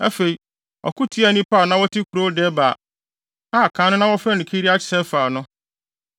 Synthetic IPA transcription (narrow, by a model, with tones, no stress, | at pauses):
æ˦fe˨i˨ | ɔ̰˨ku˦tʰi˦a˦˨nĩ˦pʰa˦˨nã˦wɔ˦tʰɪ˦kʰu˨ɾo˦dɛ˦baː˨ | a˦˨kʰã˨˦nʊ̃˦nã˦wɔ˦fɛ˦˨nɪ̃˨kʰi˦ɾi˦a˦t͡ɕʰɪ̥˨sɛ˦faː˨nʊ̃˦